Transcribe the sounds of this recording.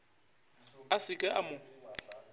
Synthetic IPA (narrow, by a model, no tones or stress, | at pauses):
asɪkʼɛʔamʊ